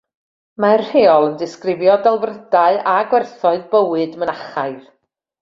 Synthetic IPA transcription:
mar̥heːɔlˠəndɪskrɪvjɔdɛlˠvrədaɨaɡwɛrθɔɨðbəwɨdmənaχaɨð

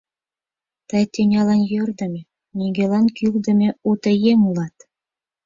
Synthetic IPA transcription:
t̪ɑjt̪ʲenʲɑlɑnjørd̪ɤ̆mʲe | nʲiɡʲelɑnkʲylʲd̪ə̆mʲeut̪ə̆jemulˠɑt̪

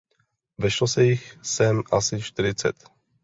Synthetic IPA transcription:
vɛʃlosɛjɪxsɛmʔasɪt͡ʃt̪ɪɾɪt͡sɛ̰t̪

